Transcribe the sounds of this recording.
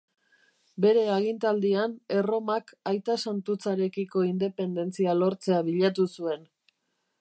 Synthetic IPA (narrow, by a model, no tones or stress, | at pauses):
be̞ɾe̞aɣ̞int̪ald̪iane̞ro̞makajt̪asant̪ut͡saɾe̞kiko̞ind̪e̞pe̞nd̪e̞nt͡sialo̞ɾt͡se̞aβiʎat̪usue̞n